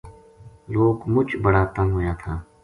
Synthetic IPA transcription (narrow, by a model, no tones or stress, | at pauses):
loːkmʊt͡ʃbɐɽaːt̪ɐ̃ŋɦojaːt̪ʰaː